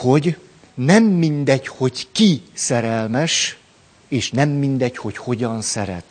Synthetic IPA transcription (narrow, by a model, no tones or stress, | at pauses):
ho̞ɟ | nɛmːind̪ɛcho̞ɟkisɛɾɛlmɛʃ | eːʃnɛmːind̪ɛcho̞cho̞ɟɒnsɛɾɛ̰t̪